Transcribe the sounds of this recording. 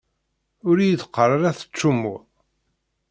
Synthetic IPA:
ʊɾjiðəqːərˤəɾæθə̥t͡ʃːumːu

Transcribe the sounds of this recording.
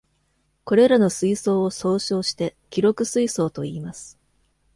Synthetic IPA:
ko̞ɾe̞ɾano̞sɨiso̞ːoso̞ːɕo̞ːɕi̥t̪e̞kʲiɾo̞kɯ̟sɨiso̞ːt̪o̞iːmasɨ̥

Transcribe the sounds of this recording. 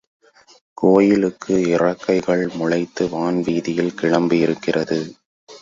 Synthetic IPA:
koːjɪlɯkːɯɪrɐkːɐɪɣɐɭmʊɻɐɪt̪ːɯʋaːnʋiːðɪjɪlkɪɻɐmbɯɪɾɯkːɪrɐðɯ

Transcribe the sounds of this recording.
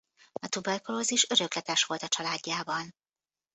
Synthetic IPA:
ɒt̪ubɛrkoloziʃø̞ɾø̞klɛt̪ɛʃʋo̞lt̪ɒt͡ʃɒlaːɟːaːbɒn

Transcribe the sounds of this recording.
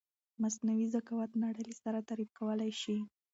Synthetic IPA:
masnawizakawat̪naɽəlisaɾat̪aɾif̚kawəlajʃi

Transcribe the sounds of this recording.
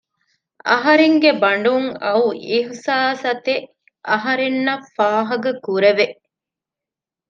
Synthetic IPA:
ɐɦɐɾeŋɡebɐɳ̆ɖuŋɐuʔihsaːsɐt̪eʔ | ʔɐɦɐɾenːɐfaːɦɐɡɐkuɾeʋeʔ

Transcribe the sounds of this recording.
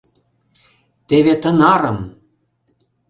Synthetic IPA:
t̪eβet̪ə̆nɑɾə̆m

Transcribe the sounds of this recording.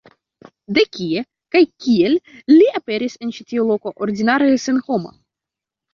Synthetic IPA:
d̪e̞kʲie | kajkʲielliape̞ɾise̞nt͡ʃitiolo̞ko̞ʔoɾdinaɾesenho̞ma̰

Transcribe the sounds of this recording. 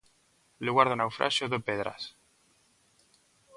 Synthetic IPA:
leɣwaɾðonawfɾa̰ʃjoðopeðɾa̰s

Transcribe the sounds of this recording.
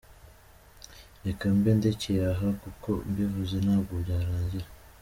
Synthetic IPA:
ɾekambendeceɾaɦakuko̞mbivuzenaːɡoɟaːɾaːɲɟiɾa

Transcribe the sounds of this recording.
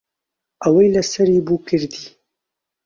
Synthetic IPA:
awajlasaɾibukɨɾd̪i

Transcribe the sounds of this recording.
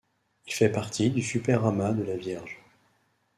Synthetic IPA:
ilfɛpaʁt̪ʰid̪ysypɛʁamad̪əlavjɛʁʒ

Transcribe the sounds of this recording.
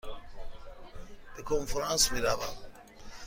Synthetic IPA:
b̥ekʰonfɾansmiɾaʋa̰

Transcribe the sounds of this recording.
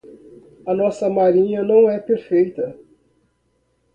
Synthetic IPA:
ɐnɔsɐmaɾĩɲɐnɐ̃w̃ɛpeɾfejt̪ɐ

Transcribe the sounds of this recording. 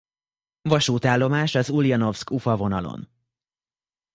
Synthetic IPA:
vɒʃuːt̪aːlːo̞maːʃɒzulijɒno̞fskufɒvo̞nɒlo̰n

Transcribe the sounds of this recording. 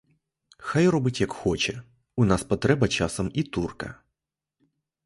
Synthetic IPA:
xajrɔbɪtʲjɐkxɔt͡ʃɛ | ʊnɑspɔt̪ɾɛbɐt͡ʃɑsɔmit̪urkɐ̰

